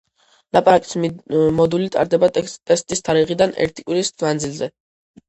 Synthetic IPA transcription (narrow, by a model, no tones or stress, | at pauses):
lapʼaɾakʼi̥smɔd̪ulit̪ʼa̰ɾd̪ɛbat̪ʼɛst̪ʼist̪ʰaɾiʁid̪anɛ̰ɾt̪ʰi̥kʼwiɾismand̪zilˠzɛ